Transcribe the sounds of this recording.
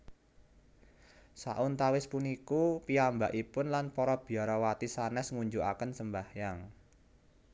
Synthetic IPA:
sa̰ʔʊnt̪awɪspunikupiambaʔipʊnlanpɔɾɔb̥i̤aɾɔwat̪isanɛsŋuɲd͡ʒuʔakənsəmbahjaŋ

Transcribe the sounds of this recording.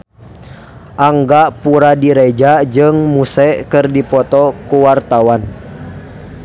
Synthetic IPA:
ʔaŋɡapuɾadiɾɛd͡ʒad͡ʒɨŋmusɛkɨrdipɔt̪ɔkuwart̪awan

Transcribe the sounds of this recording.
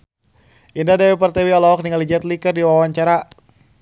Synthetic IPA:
ʔindadawɛpərt̪ɛweɔlawɔk̚niŋalid͡ʒat̪likərdiwawaɲt͡ʃaɾa

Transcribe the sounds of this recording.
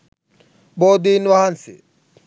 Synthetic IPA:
boːd̪iːnʋaɦansḭ

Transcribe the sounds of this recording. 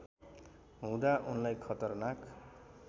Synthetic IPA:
ɦũd̪aʔunlajkʰʌt̪ʌrnak

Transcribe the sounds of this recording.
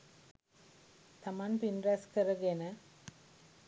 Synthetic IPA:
t̪ɐmaːnpinɾaskɐɾɐɡenɐ

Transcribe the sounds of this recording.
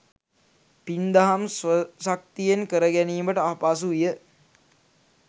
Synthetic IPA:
pind̪aɦamsʋəsak̚t̪ijenkəɾəɡæniːməʈəapas̬uijə

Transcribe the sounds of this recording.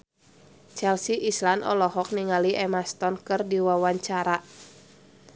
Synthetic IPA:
t͡ʃɛlsiʔislanʔɔ̰lɔhɔk̚niŋaliʔɛmast̪ɔnkɨrdiwawaɲt͡ʃaɾa

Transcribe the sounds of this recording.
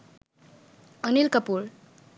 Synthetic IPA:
ʌnilkʌpuɾ

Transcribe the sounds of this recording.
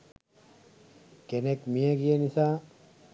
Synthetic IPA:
kenekmijəɡijenisaː

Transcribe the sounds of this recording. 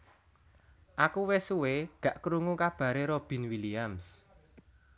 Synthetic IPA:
ʔakuwesuweɡ̥ä̤ʔkɾuŋukab̥ä̤ɾeɾob̥i̤nwiliams

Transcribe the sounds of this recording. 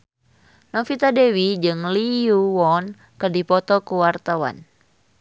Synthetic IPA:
nɔfit̪adewid͡ʒɨŋliuwɔn | kɨrdipɔt̪ɔkuwart̪awa̰n

